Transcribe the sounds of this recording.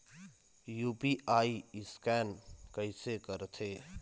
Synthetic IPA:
juːpiaːiɪskɛːnkəɪsekəɾt̪ʰeː

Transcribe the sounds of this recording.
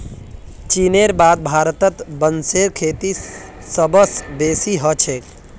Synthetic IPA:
t͡ʃineɾbad̪̚bʱaɾt̪ət̪bənseɾkʰeːt̪i | səbəsbeːsiɦət͡ʃʰek

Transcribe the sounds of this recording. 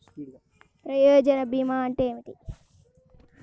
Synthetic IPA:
pɾɐjoːd͡ʒɐnɐbimaːɳʈeːmiʈi

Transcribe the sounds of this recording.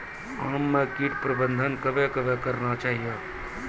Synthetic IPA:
ãːmːẽkiːʈpɾəbənd̪ʱənkɐbekəbekɐɾnat͡ʃaːɦijə

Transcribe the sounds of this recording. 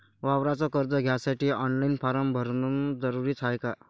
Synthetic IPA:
ʋaʋɾat͡sɔkəɾd͡z̪əɡʱjasaʈiːɔnlainfaɾəmbʱəɾnund͡zəɾuɾiːt͡sʰajka

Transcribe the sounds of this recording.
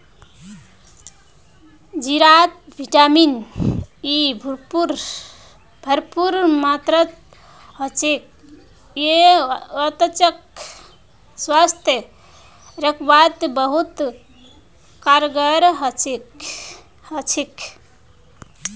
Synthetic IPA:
d͡ʒiɾat̪̚bʱiʈamin | ibʱuɾpuɾ | bʱəɾpuɾmat̪ɾət̪ | ɦət͡ʃek̚ | jeət̪ət͡ʃək | swast̪ʰjə | ɾəkʰbat̪bəɦut̪ | kaɾɡəɾɦət͡ʃek | hət͡ʃʰik

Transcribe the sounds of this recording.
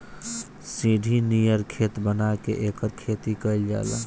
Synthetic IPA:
sĩɖʱinijəɾkʰet̪bənakḛʔekəɾkʰet̪ikəɪld͡ʒa̰la̰

